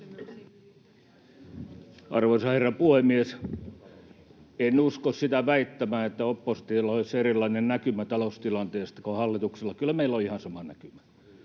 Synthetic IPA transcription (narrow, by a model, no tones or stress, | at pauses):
ʔɑ̰rʋoisɑherːɑpuhemːies | enːuskossit̪æʋæit̪ːæmæːet̪ːæopːost̪iːlːoiserilˑːɑinennækymæt̪ɑlost̪ilɑnt̪eːst̪ɑkohɑlːit̪ukselːɑkylːˑæmeilːˑoihɑnsɑmɑnæ̰kymæ